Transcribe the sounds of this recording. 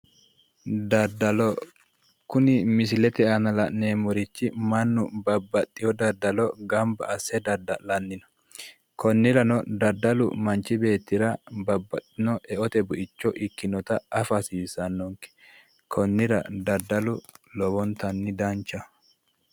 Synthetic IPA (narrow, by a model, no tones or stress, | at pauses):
d̪ɐd̪ɐlɔ | kʊnɪmɪsɪlɛt̪ɛɐnɐlɐnneːmɔɾɪt͡ʃːɪmɐnːʊ̰bɐbːɐt̪ʼːɪjɔd̪ɐd̪ɐlɔɡɐmbɐ̰ɐsːɛd̪ɐd̪ɐlɐnːɪnɔ̥ | kʰɔnːɪɾɐnɔd̪ɐd̪ɐlʊ̰mɐnt͡ʃːɪbe̞ːt̪ːɪɾɐbɐbːɐt̪ʼːɪnɔʔɛʔɔt̪ɛbʊʔɪt͡ʃːɔʔɪkːɪnɔt̪ɐʔɐfɐsiːsɐnːɔŋkɛ̥ | kʰɔnːɪɾɐ̰d̪ɐd̪ːɐlʊlɔbɔnt̪ɐnːɪd̪ɐnt͡ʃːɐ